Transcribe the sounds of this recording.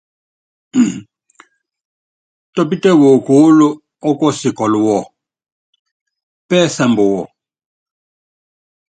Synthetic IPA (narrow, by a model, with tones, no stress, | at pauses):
tɔ˦pi˦tɛ˦wo˨ku˦lu˦ | ɔ˦kɔ˦si˨kɔ˨lu˨wɔ˦˨ | pɛ˦sɛ˨mbɔ˨wɔ˨